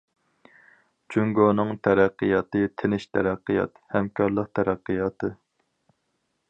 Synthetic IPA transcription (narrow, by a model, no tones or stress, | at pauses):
t͡ʃʰyŋɡonɨŋt̪ʰæɾæqːɨjɑt̪ɨt̪ʰɪnɪʃt̪ʰæɾæqːɨjɑ̰t̪hɛmkʰɑɾlˠəq̚t̪ʰæɾæqːɨjɑːt̪ʰɨ